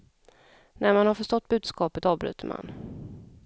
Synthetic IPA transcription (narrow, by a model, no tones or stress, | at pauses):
nʔæɾmanhaɾfœʂʈ̪ɔt̪̚ːbʉ̟ːd̪skɑːpət̪ɑːvbɾʉ̟̰ːt̪ʰəma̰n